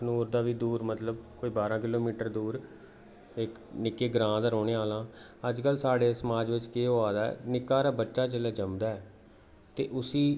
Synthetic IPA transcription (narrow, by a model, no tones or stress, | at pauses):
nuːɾd̪aːʋiːd̪uːɾmət̪ləbkoːiːbaːɾãːk̬ɪloːmiːʈəɾd̪uːɾ | ɪk | nɪkːeːɡɾãːd̪aːɾoːɽeːaːlãːəd͡ʒkəlsaːɽeːsəmaːd͡ʒʋɪt͡ʃkeːɦoːaːd̪aɛ̰nɪkːaːɾaːbətːʃaːd͡ʒəleːd͡ʒəmd̪aːɛː | t̪ḛːʔʊsiː